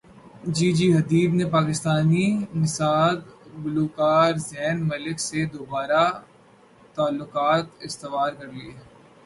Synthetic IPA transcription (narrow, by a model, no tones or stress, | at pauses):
d͡ʒiːd͡ʒiːɦɐd̪iːbnepaːkɪst̪aːninɪsaːd̪bʊluːkaːɾzɛːnmɐlɪksed̪oːbaːɾa | t̪aːlːʊqaːt̪ɪst̪ɪʋaːɾkɐɾlieː